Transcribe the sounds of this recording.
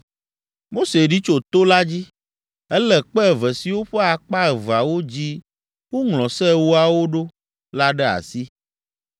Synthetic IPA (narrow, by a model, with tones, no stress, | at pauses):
mo˦se˨ɖi˦t͡ʃo˨t̪o˦la˦d͡ʑi˦ | ɛ˦lɛ˨k͡pɛ˦˨vɛ˨si˨wo˦ɸɛ˦a˨k͡pa˦ɛ˨va˨wo˦d͡ʑi˦ | wo˦ŋlɔ̃˨sɛ˦wo˦a˨wo˦ɖo˦ | la˦ɖɛ˦a̰˨si˦